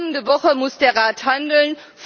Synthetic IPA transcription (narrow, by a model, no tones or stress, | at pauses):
ŋəndəvɔχəmʊsd̥eːɐʁaːthandl̩n | f